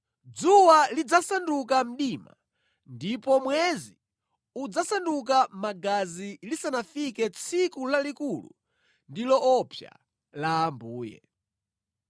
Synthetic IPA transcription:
d͡zuwalid͡zasanduk̬am̩ɗiːma̰ | ndipɔmwɛzi | ud͡zasanduk̬amaɡazilisanafikɛt͡sʰikulalikulṵ | ndilɔɔpʰja̰ | laːmbuːjɛ̰

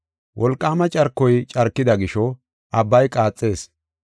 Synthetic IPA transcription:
wʔɔlkʼːaːmɐt͡ʃʼɐɾkːɔjt͡ʃʼɐɾkːɪd̪ɐɡɪʃɔ | ʔɐbːɐjkʼaːt͡sʼːe̞ːs

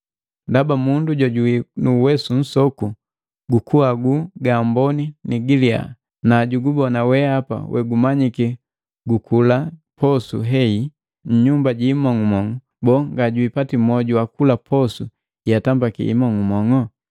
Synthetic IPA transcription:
ndabamunduɟɔɟuwinuwɛsun̩sɔku | ɡukuaɡuɡambɔniniɡilia̰ | naɟuɡubɔnawɛapa̰wʔɛ̰ɡumaɲiki | ɡukulapɔsuɦɛi | ɲ̩ɲumbaɟimɔŋumɔŋɔ | bɔŋɡaɟuipatimɔɟuwakulapʰɔsu | jatambakḭḭmɔŋumɔŋɔ

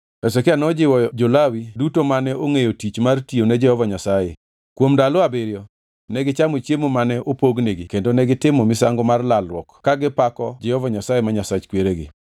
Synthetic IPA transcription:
ɛsɛkɪanɔd͡ʒɪwɔd͡ʒolawidutomanɛoŋejotit͡ʃmartionɛd͡ʒɛhɔvaɲasaje | kwomdalɔabɪɾjɔ | nɛɡɪt͡ʃamot͡ʃjemomanɛʔopoɡneɡɪkendonɛɡɪtɪmomɪsaŋɡomarlalwɔkkaɡɪpakɔd͡ʒɛhɔvaɲasajemaɲasat͡ʃkweɾeɡɪ̰

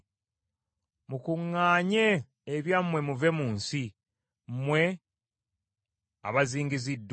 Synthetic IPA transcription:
mukuŋːaːɲeː | βjamwe̞muve̞muːnsi | mmwe̞ | a̰βaziːŋɡizidː

